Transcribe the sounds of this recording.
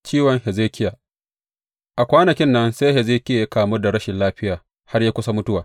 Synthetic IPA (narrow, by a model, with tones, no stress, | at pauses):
t͡ʃiː˦wɔ˨˦ŋhɛ˨zeː˦kʲɪ˦jaː˨ | ʔa˨kʷaː˦nɐ˨kʲɪ˦nːɐ˦nse˦jhɛ˨zeː˦kʲɪ˦ja˨ja˦kaː˨mʊ˦rda˨ɽɐ˦ʃɪ˨nlaː˦ɸɪ˦jaː˨ | ha˦rjaː˦kʷʊ˦sa˦mʊ˦tʊ˦waː˨